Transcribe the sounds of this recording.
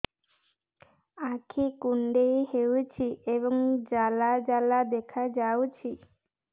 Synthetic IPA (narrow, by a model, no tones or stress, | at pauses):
akʰikuɳɖejhewt͡ʃʰieβɔŋd͡ʒalad͡ʒalad̪ekʰad͡ʒawt͡ʃʰi